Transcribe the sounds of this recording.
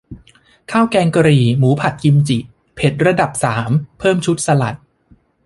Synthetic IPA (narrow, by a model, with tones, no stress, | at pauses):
kʰaː˥˩wkɛː˧ŋka˧ɾiː˨˩muː˩˦pʰa˨˩t̪̚ki˧mt͡ɕi˨˩ | pʰe˨˩t̪̚ɾa˧da˨˩p̚saː˩˦mpʰɤː˥˩mt͡ɕʰu˦˥t̪̚sa˧la̰˨˩t̪̚